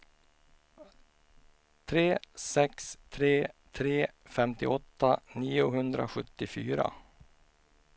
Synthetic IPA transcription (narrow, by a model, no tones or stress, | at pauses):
t̪ʰɾeːsɛkst̪ʰɾeːt̪ʰɾeːfɛmt̪ɪʔɔt̪ːaniːʊɦɵnd̪ɾa̰ɧɵt̪ːɪfyːɾa̰